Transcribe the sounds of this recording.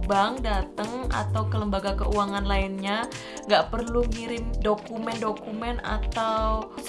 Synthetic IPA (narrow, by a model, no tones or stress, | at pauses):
baŋdat̪əŋa̰t̪awkələmbaɡakə̰uwaŋanlainɲa | ŋɡaʔpərluŋiɾɪmdokumɛndokumɛna̰t̪aw